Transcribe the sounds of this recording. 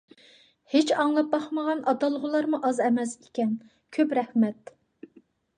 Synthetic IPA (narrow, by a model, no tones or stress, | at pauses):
het͡ʃɑŋlˠɑp̚bɑχməʁɑnɑd̪ɑlˠʁʊlˠɑɾmuʔɑzɛmɛsekʲɛn | kʲʰøpɾɛhmɛt̪̚